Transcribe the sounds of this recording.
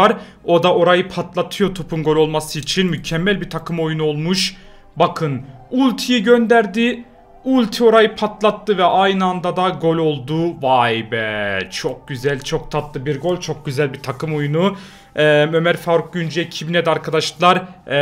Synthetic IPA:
aɾ | o̞d̪aʔo̞ɾajɯpʰat̪lˠat̪ʰɯjo̞t̪ʰopʰunɡo̞lʲo̞lˠmasɯit͡ʃʰinmycʰɛmːælʲbit̪ʰakʰɯmo̞junuo̞lˠmuʃ | bakʰɯnulʲt̪ʰijɯɟønd̪æɾd̪i | ulʲˠt̪ʰio̞ɾajɯpʰat̪lˠat̪ːɯvɛʔajnɯand̪ad̪aɡo̞lʲo̞lˠd̪uvajbɛt͡ʃʰo̞k̚ɟyzælʲt͡ʃʰo̞k̚t̪ʰat̪lˠɯbiɾɡo̞lʲt͡ʃʰo̞k̚ɟyzælʲbit̪ʰakɯmo̞junu | ɛmø̞mæɾfaɾuk̚ɟynd͡ʒɛcʰibinɛd̪aɾkʰad̪aʃlˠaɾ

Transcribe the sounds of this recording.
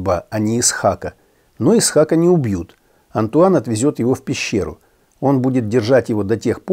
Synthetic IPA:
bəɐnʲɪːsxakə | no̞ɪsxakənʲɪʊbjut̪ | ɐnt̪ʊanɐt̪vʲɪzʲo̞t̪jɪvofʲpʲɪɕːe̞̰ɾʊ̰ | o̞nbudʲɪt̪̚dʲɪrʐatʲjɪvo̞d̪ɐtʲe̞xp

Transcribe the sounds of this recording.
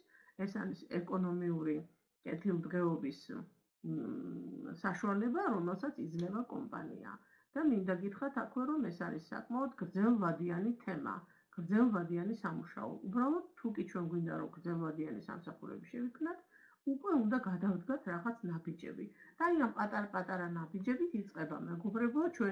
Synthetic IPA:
ɛsa̰ɾisɛkʼɔnɔmiuɾi | kʼɛt̪ʰilˠd̪ʁɛɔbis | saʃualɛbaɾɔmɛlˠsat̪sʰid̪znɛvakʼɔ̰mpʼa̰nḭa̰ | d̪̥amind̪aɡit̪ʰχɾat̪ʰakʰwɛɾɔmɛsaɾḭsːa̰kʼmaɔd̪ɡɾd̪zɛlˠvad̪ianit̪ʰɛma̰ | ɡ̥ɾd̪zɛlˠvad̪ianisamuʃa̰ɔ̰ʔubɾalˠɔd̪̚ʰukʼit͡ʃʰwɛnɡwind̪a̰ɾɔmɡɾd̪zɛlˠvad̪ianisa̰msaχuɾɛ̰biʃɛvikʰmnat̪ʰ | ukʼwɛund̪aɡad̪avd̪ɡat̪ʰɾaʁat̪sʰnabid͡ʒɛ̰bid̪̥aiampʼat̪ʼaɾapʼat̪ʼaɾanabid͡ʒɛbit̪ʰit̪sʼqʼɛbamɛɡɔbɾɛblˠat͡ʃʰwɛ

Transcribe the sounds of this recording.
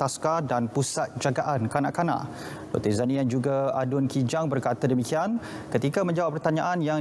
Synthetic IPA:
askadanpusat̪̚d͡ʒaɡaʔankanaʔkanã̰ʔ | bo̰t̪əzanijand͡ʒuɡaadʊnkid͡ʒaŋbərkat̪adəmikian | kət̪ikamə̃ɲd͡ʒawapːərt̪aɲãʔanjaŋ

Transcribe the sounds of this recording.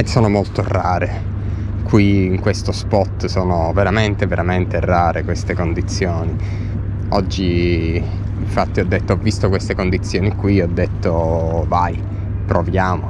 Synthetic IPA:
soːnomolt̪oraːɾe | kwiːŋkwest̪ospɔt̪soːnoveɾament̪eveɾʔament̪eraːɾʔekwest̪ekond̪it̪sːjoːni | ɔd͡ʒːiː | ɱfat̪ːiɔd̪ːet̪ːoɔvːist̪okwest̪ekond̪it̪sːjoːnikwiiɔd̪ːet̪ːovaj | pɾovjaːmo

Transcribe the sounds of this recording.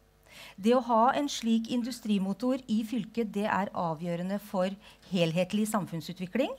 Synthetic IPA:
d̪ɛɔɦɑːʔɛnʂɭiːkɪnd̪ʉst̪ɾiːmʊt̪uɾɪfʏlkəd̪ɛʔæɾɑːʋjøːɾənəfɔɾheːlɦeːt̪lɪsɑmfʉnsʉːt̪ʋɪklɪŋ

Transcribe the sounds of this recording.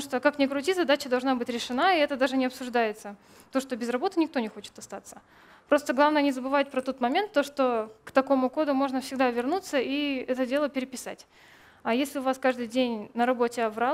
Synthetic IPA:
ʂt̪okaknʲɪkɾʊtʲizɐd̪at͡ɕəd̪ɐlˠʐnabɨtʲɾʲɪʂɨnaiɛt̪əd̪aʐɨnʲɪɐpsʊʐd̪ajɪt̪sə | t̪o̞ʂt̪o̞bʲɪzrɐbo̞t̪ɨnʲɪk̚t̪o̞nʲɪxo̞t͡ɕɪ̥t̪ɐst̪at̪sə | pɾo̞st̪əɡlˠavnəjənʲɪzəbɨvat̚ʲpɾɐt̪o̞t̪mɐmʲe̞nt̪ːo̞ʂt̪okt̪ɐko̞mʊko̞d̪ʊmo̞ʐnəfsʲɪɡd̪avʲɪrnut̪səiɛt̪ədʲe̞lˠəpʲɪɾʲɪpʲɪsa̰tʲ | ɐjesʲlʲɪʊvaskaʐd̪ɨjdʲenʲnəɾɐbo̞tʲɪɐvɾa

